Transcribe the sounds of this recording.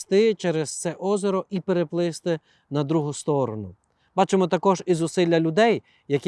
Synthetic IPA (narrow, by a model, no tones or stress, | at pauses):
t̪ɪt͡ʃɛɾest̪sɛʔɔzɔɾɔʔipeɾeplˠɪst̪ɪ | nɐd̪ɾuɦʊst̪ɔɾɔnʊ | b̥ɑt͡ʃemɔt̪ɐkɔʒizʊsɪlʲːɐlʲʊd̪ɛj | jɐkʲ